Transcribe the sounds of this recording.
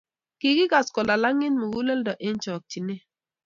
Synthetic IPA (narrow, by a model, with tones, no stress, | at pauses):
ki˨ki˦ɡa˨skɔ˨la˨la˦ŋɪ˦nmu˨ɡu˦lɛ˦ldɔ˨ʔɪ˦n˦t͡ʃɔ˨k̚t͡ʃi˨ne˦